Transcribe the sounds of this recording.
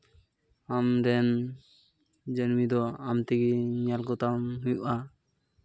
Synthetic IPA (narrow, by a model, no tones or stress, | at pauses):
amɾɛn | d͡ʒənmid̪ɔamt̪iɡiɲalkɔt̪amɦujṵʔa